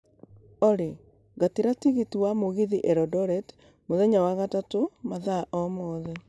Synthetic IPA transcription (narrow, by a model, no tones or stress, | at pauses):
ɔɾe | ɡatiɾatiɣitiwamoɣiðiʔɛɾɔdɔɾɛt | moðɛɲawaɣatatomaðaʔɔmɔːðɛ